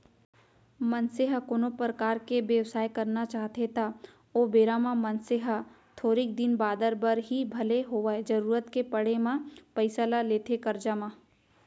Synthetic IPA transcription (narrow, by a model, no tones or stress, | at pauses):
mə̃nseɦəkoːnopɾəkaːɾkeʋjewsaːjkɐɾnat͡ʃaːɦt̪et̪a | oːbeːɾaːmãmɐnseɦə | t̪ʰoːɾiːk̚d̪ɪnbaːd̪əɾbəɾɦibʱɐleɦoʋaed͡ʒɐɾuːɾət̪kepɐɽemãpɐɪsəlaleːt̪ʰekɐɾd͡ʒamã